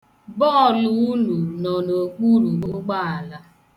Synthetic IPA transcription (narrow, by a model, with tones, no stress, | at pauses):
bɔ˦˨lu˨˦nu˨nɔ˨no˨k͡pu˦ɾu˨ʊ˦ɡ͡ba˦a˨la˦